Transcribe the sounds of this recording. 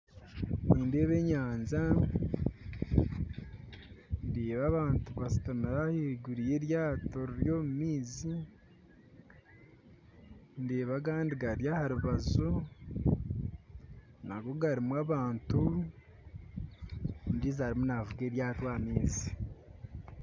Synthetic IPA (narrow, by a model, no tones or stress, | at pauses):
niːnde̞ːβe̞ɲaːnza | ndiːβaβaːntuβastamiɾaheɟuɾijeɾjaːto̞ɾiɾjo̞ːmumiːzi | ndeːβak̬aːndiɡaɾjahaɾuβazu | naɡo̞ɡaɾimwaβaːntu | ndizaɾimunavuɡe̞ːɾjaːtwaːmiːzi